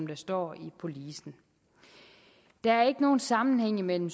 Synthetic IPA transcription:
md̥æsd̥ɒ̰ːipʰo̝liːsn̩ | d̥æ̈æɐe̝ɡ̥əno̝ːn̩sɑ̈mn̩heŋ̰imel̰m̩s

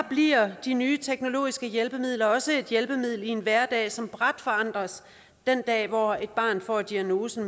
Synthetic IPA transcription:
b̥liɐ̰d̥inyːt͡sʰeɡ̥no̝lo̝̰ːisɡ̥əjelb̥əmið̞̰ˠlɐɒ̽səe̝d̥jelb̥əmið̰ˠl̩ienʋæɐd̥ɛ̰ːsɒ̽mb̥ʁad̥fɒ̽ɑ̈n̰d̥ʁɐs | d̥end̥ɛ̰ːʋɒe̝d̥̚b̥ɑ̈ːnfɒ̰d̥iæno̝ːsn̩

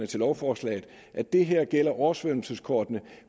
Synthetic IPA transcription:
nət͡sʰe̝lɒʊfɒːslɛ̰ːð̩ˠ | ʔæd̥e̝ɦeɐ̰ɡ̥el̰ɐʔɒːsʋønl̩səskʰɒːd̥nə

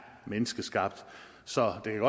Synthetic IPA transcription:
menəsɡ̥əsɡ̥ɑ̈b̥̚d̥ | sɒ̽d̥e̝kʰæɡ̥ɒ̽

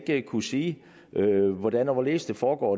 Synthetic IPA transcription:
ɡ̥əkʰusiː | ʔøʋɒd̥ænɒʋɒle̝̰ːsd̥efɒːɡ̥ɒ̰ː

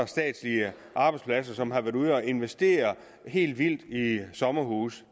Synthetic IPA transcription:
sd̥ɛ̰ːd̥sliə | ʔɑ̈ːb̥ɑ̈ɪdspʰlæs̬ɐsɒ̽mɦɑ̈ʋæɐduð̞̩ˠɒe̝nʋesd̥e̝̰ːɐ | ɦe̝̰ːld̥ʋil̰d̥isɒ̽mɐɦuːs

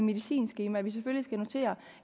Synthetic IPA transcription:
me̝ðˠisḭːnsɡ̥iːmæʋis̬eføljisɡ̥æno̝t͡sʰe̝̰ːɐ

